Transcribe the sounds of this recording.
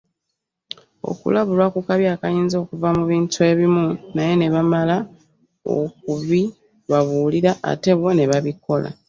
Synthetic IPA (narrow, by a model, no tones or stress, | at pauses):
o̞̰kṵlaβulwakukaβjaːkajiːnzo̞ːkuvamuβiːntʰue̞βimunaje̞ne̞βamala | o̰k̚uβi | βaβuːliɾaʔa̰te̞βwone̞βaβiko̞lʔa̰